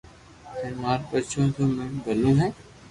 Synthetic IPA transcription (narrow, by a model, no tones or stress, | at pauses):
ẽːmaːɾpət͡ʃʰõːt̪oːmẽːbʱəlõːɦɛ̃ː